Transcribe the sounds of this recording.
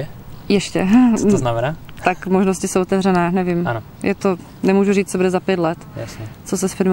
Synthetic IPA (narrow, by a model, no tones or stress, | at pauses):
jɛʃcɛ̰namɛnaːt̪akmoʒnoscɪsowʔot̪ɛvrɛnaːnɛvɪman | jʔɛt̪o | nɛmuːʒuriːt͡st͡sobudɛzapjɛt̪lɛt̪jasɲɛt͡sos̬ɛsfɪɾm